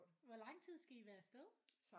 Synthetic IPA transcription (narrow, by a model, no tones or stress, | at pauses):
ʋɒlɑ̈ŋ̰t͡sʰið̞̰ˠsɡ̥æiʋæːɐsd̥eð̞ˠsɑ